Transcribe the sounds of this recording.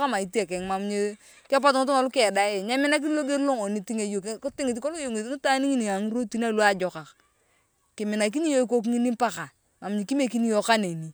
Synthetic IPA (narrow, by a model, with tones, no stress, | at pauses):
ka˦ma˨i˨ti˦a˨kɛ˨ŋma˨m˦ɲe˦ | kpa˦tŋɪ˦t̬ʊ˦ŋa˨lʊ˦kɛː˦˨da˦e˨ɲa˦mɪ˦na˦k̬i˦lo˦ɡe˦ɾlo˦ŋo˨ni˨ti˦ŋe˨jo˨kkʊ˦tɪ˦ŋi˨t̬ko˦lo˦jo˨ŋi˨tni˦ta˦ni˦ŋi˦ni˨a˨ŋi˦ɾo˦ti˦na˦˨lu˦a˦d͡ʒɔ˨ka˨k | kɪ˨mɪ˨na˨k̬i˦ni˦jo˦i˦k̬o˦k̬ŋi˦ni˦pa˦ka˨ | ma˨m˨ɲi˨ki˦me˦ki˦ni˦jo˦ka˦ne˨ni˨